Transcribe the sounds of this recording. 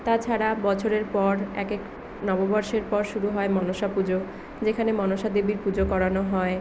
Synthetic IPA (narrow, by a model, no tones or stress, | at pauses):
t̪at͡ɕʰaɾabɔt͡ɕʰoɾeɾpɔɾɛkek | nɔbobɔɾʃeɾpɔɾʃuɾuɦɔemɔnoʃapud͡ʑo | d͡ʑekʰanemɔnoʃad̪ebiɾpud͡ʑokɔɾanoɦɔe